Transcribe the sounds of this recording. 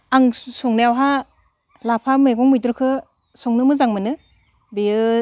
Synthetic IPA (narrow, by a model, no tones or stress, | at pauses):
aŋsɔŋnejawɦa | lapʰameɡɔŋmɯjtɾɯkʰɯ | sɔŋnɯmɯzaŋmɯnɯ | biɯ